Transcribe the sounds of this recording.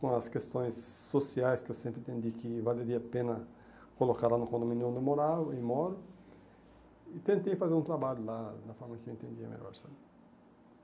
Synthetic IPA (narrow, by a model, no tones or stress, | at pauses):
kõɐskest̪õj̃sː | osiajskeewsẽmpɾet̪ẽnd̪ikivaleɾiapẽnɐ | kolokaɾlanukõnd̪omĩnõnd̪emoɾawimoɾu | it̪ẽnt̪ejfazeɾũnt̪ɾabaʎulad̪ɐfɔɾmɐkeeẽnt̪ẽnd̪iɐ̰mḛlɔ̰ɾsan